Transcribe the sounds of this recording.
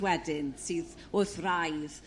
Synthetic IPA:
wɛdɪnsɨːð | oθrajð

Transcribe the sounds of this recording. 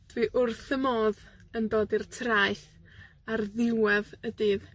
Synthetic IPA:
viːʔʊrθəmoːðəndoːdirtʰraɨθ | arðɪwɛðədɨːð

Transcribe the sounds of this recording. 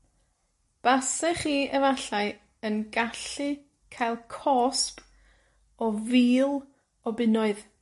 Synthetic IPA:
b̥asɛχiːɛvaɬaɨ | ənɡaɬɨ | kʰajlˠkʰɔsp | ɔviːlˠ | ɔbɪnɔɨð

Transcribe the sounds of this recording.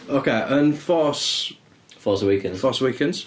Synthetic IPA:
oʊkʰeɪʔə̃nfɔˑs | fɔːˑsəwiˑkʰɛ̃nzfɔːˑswiˑkʰɛ̃nd̥z̥

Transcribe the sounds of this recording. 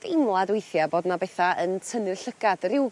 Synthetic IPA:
d̥ejmlˠadwejθjaboːdnabeθaʔəntʰənɨrɬəɡ̥ad̥rɪw

